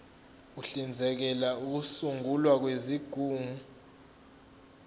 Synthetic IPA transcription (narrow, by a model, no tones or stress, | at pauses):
uɬind͡zʱɛk̬ɛlauk̬usuŋʱulwak̬weziɡ̥ʱuːŋu